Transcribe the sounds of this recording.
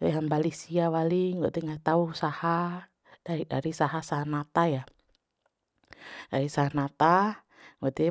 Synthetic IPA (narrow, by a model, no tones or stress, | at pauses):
ɛɦambalisiawaliŋɡɔt̪ɛŋat̪ausaha | daiɗa̰ɾisaɦasaɦanat̪aja | daɾisaɦanat̪a | ŋɡɔt̪ɛ